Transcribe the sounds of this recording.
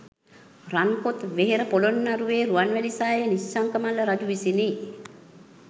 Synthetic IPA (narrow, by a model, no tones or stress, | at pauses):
raŋkot̪ʋeɦeɾəpolonːaɾuʋeːɾuanʋelisaːjenisːaŋkəmalːəɾad͡ʒuʋisine